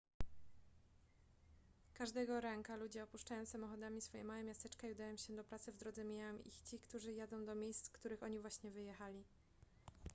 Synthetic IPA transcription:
kaʐd̪ɛɡɔɾɛŋkalud͡ʑɛɔpuʂt͡ʂajɔ̃w̃samɔxɔd̪amʲisfɔjɛ̰mawɛmʲjast̪ɛt͡ʂkaiud̪ajɔ̃w̃ɕɛd̪ɔpɾat̪sɘvd̪ɾɔd̪zɛmʲiɲawɛmḭxt͡ɕikt̪uʐɘjad̪ɔ̃w̃d̪ɔmʲjejst̪kt̪uɾɘxɔɲivwaɕɲɛvɘjɛxalʲi

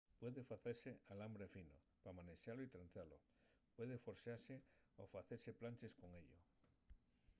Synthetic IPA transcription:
pweðefaθeɾsealambɾefino | pamaneʃaloit̪ɾanθalo | pweðefoɾsaɾseofaθeɾseplanʲt͡ʃeskoŋeʎo

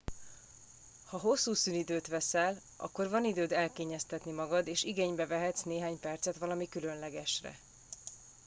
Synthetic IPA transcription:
hɒɦo̞sːuːsyːnid̪øːt̪ʋɛsɛl | ɒ̰kːo̞rvɒnid̪øːd̪ɛlkeːɲɛst̪ɛt̪nimɒɡɒd̪eːʃiɡeːɲbɛvɛɦɛt̪sneːɦaːɲpɛrt̪sɛt̪ʋɒlɒmikylø̞nlɛɡɛʃrɛ̰

